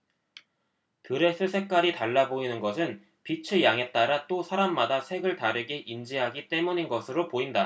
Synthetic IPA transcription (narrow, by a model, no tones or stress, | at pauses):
tɯɾe̞sʰɯsʰe̞k͈aɾitaɭːaboinɯnɡʌsʰɯn | pit͡ɕʰɯjaŋe̞t̚t͈aɾat͈osʰaɾamːadasʰe̞ɡɯɭtaɾɯɡe̞ʔind͡ʑiɦaɡit͈e̞muɲinɡʌsʰɯɾopoinda